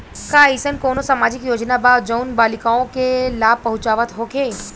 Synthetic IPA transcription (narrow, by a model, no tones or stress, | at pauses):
kaːisənkoːnosamaːd͡ʒɪkjoːd͡ʒnabaːd͡ʒənbaːlɪkaːõkelaːb̚pɐɦʊ̃t͡ʃaːʋət̪ɦoːkʰeː